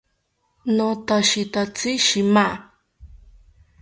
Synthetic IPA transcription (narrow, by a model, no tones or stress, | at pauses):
nõt̪aʃit̪at͡siʃima